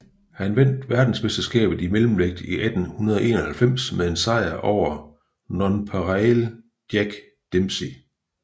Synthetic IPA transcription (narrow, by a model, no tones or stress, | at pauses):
hænʋen̰d̥ʋæɐd̥n̩sme̝sd̥ɐsɡ̥ɛ̰ːb̥ð̩ˠimelm̩ʋeɡ̥̚d̥iʔæd̥n̩hunɐð̞ˠɒʔe̝ːnɐhælfem̰smeðe̝nsɑ̈ɪ̰ɐʔɒʊ̰ɐ | nɒnpʰɑʁæl | d̥jæɡ̥ | d̥emsi